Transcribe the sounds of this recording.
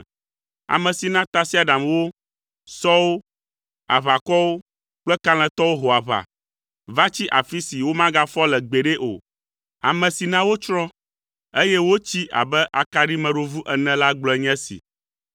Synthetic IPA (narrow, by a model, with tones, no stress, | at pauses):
a̰˨mɛ̃˨si˨nã˦t̪a˦si˦a˨ɖa˨mwo˦ | sɔ˦wo˦ | a̰˨βa˨kɔ˦wo˦ | k͡plɛ˦ka˦l̃ɛ̃˨t̪ɔ˦wo˦ɦo˨a˨βa̰˨ | va˦t͡ɕi˦ʔa˨fi˦si˨wo˦mã˦ɡa˦fɔ˦lɛ˨ɡ͡be˨ɖe˦ʔo̰˨ | a̰˨mɛ̃˨si˨nã˦wo˦t͡ʃɾɔ̃˦ | e˦jɛ˦wo˦t͡ɕi˦ʔa̰˨bɛ˦ʔa˨ka˨ɖi˦mɛ̃˨ɖo˦vu˦ʔɛ˨nɛ̃˨la˦ɡ͡blɔ˨˦ɛ˨˦ɲɛ̃˦sḭ˨